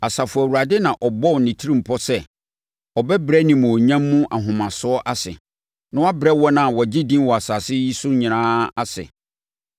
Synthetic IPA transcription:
a˨sa˨fʊ˨wu˨ɾa˨dɪ˦nã˨ʔɔ˨bɔ˦˨nɪ̃˨tʰi˦ɾĩ˦m̩˨pʰɔ˦sɛ˦˨ | ɔ˨bɛ˦bɾɛ˦nĩ˨mʊ̃˨ɔ˨ɲã˦mːũ˦ʔa˨ɦʊ̃˨mã˨sʊ˦ɔ˦ʔa˦sɪ̰˨ | nʊ̃˦wa˦bɾɛ˦wɔ˦nã˨wɔ˨d͡ʑɪ˦dĩ˦mwɔ˨a˨sa˨sɪ˦ji˦sʊ˦ɲɪ̃˨nãː˦a˦sɪ̰˨

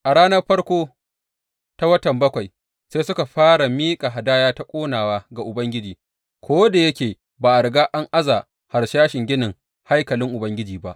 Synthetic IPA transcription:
ʔa˨ɽaː˦nɐ˦rɸɐ˦ɽkʷoː˦ | ta˦wɐ˦tɐ˨mbɐ˦kʷa˨j | seː˦sʊ˦ka˨ɸaː˦ɽa˨miː˦kʼa˨ɦa˨daː˦jaː˦ta˦kʷʼoː˦naː˨waː˦ɡa˨ʔʊ˨bɐ˦ŋɡʲɪ˦d͡ʒiː˨ | kʷʰoː˦da˨jɐ˦kʲeː˨ | baː˨ʔa˨ɽɡaː˦ʔa˦ŋʔa˦zaː˨ | ha˨ɾʃaː˦ʃɪ˨ŋɡʲɪ˦nɪ˨ŋ | ha˦jkɐ˨lɪ˦ŋʔʊ˨bɐ˦ŋɡʲɪ˦d͡ʒiː˨ba˦ʔ

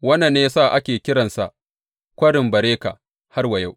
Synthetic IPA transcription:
wɐ˦nɐ˨nːeː˦saː˦˨ʔa˦kʲeː˨kʲɪ˦ɾɐ˨nsa̰˨ʔ | kʷɐ˦ɽɪ˨mbɐ˨ɾeː˦ka̰˨ | ha˦rwɐ˨ja˦w

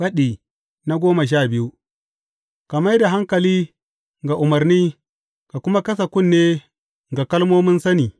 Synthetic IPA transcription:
ɸɐ˦ɗiː˨ | na˦ɡʷoː˦mɐ˨ʃ̬aː˦bɪ˦ju˦ | ka˨mɐ˦jda˨ɦa˦ŋkɐ˨liː˦ | ŋɡa˨ʔʊ˨mɐ˨ɾniː˦ | ka˨kʷʊ˦ma˦kɐ˦s̬a˨kʷʊ˦˨nːeː˦ | ŋɡa˨kɐ˦lmoː˦mʊ˦nsɐ˦niː˨

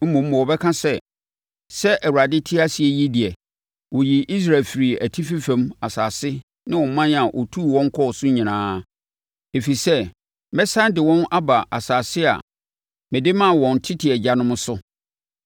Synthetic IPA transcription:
m̩˦mũ˨m̩˦mɔ̃˨wɔ˨bɛ˦kʰã˦sɛ˦˨ | sɛ˦ʔæ˨wa˨dɪ˦tʰi˦a˦si˨ɛ˦ji˦di˨ɛ˨ | wɔ˨ji˨ʔi˦s̬ɾaː˨lfɪ˨ɾi˨æ˨tʰi˦fi˦fɛ̃˦ma˨saː˨sɪ˦ | nɪ̃˦wɔ̃˨˦mã˦n˨a˨ʔɔ̰˨tʰu˦˨wɔ̃˦ŋ̩˦kʰɔ˦˨sʊ˦ɲĩ˨nãː˦ | e˨fi˨sɛ˦ | mɛ˦sã˦n˦dɪ˨wɔ̃˦na˦ba˨ʔa̰˨saː˨sɪ˦a̰˨ | mɪ̃˨dɪ˦mã˦˨wɔ̃˨n˨tʰɪ˦tʰɪ˨ɛ˨d͡ʑa˨nʊ̃˦mʊ̃˦sʊ˦

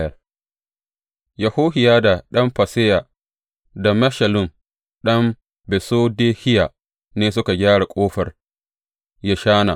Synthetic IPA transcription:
jɐ˨r | ja˨hoː˦hɪ˨jaː˦da˨ɗɐ˦mɸɐ˨se˦ja˨ | da˨mɐ˦ʃɐ˨lʊ˦m | ɗɐ˦m | bɛ˨soː˦deː˦hɪ˦ja˨ | neː˦s̬ʊ˦ka˨ɡʲaː˦ɽa˨kʷʼoː˦ɸɐ˨r | ja˦ʃaː˦na̰˨

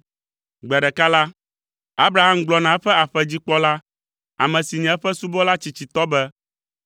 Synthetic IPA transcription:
ɡ͡bɛ˨ɖɛ˨ka˦la˦ | a˦bɾa˨ɦa˦mɡ͡blɔ˨nã˨ɛ˦ɸɛ˦a˨ɸɛ˦d͡ʑi˦k͡pɔ˦la˦ | a̰˨mɛ̃˨si˨ɲɛ̃˨ɛ˦ɸɛ˦su˦bɔ˦la˦t͡ɕi˨t͡ɕi˨t̪ɔ˦bɛ˦

